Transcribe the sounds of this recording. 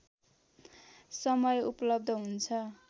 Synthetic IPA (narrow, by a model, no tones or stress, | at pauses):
sʌmʌjupʌlʌb̚d̪ʱʌɦunt͡sʰʌ